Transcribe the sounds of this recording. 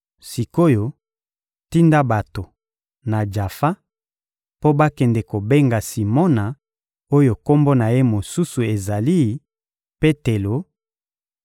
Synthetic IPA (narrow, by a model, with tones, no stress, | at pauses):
si˨ko˦jo˨ | ti˦nda˦ba˨to˨ | na˨d͡ʒa˨fa˦ | po˦ba˦kɛ˨ndɛ˨ko˨be˦ŋɡa˨si˨mɔ˦na˨ | o˦jo˨ko˦mbo˦na˨je˦mo˨su˦su˨e˨za˨li˦ | pe˦te˨lo˨˦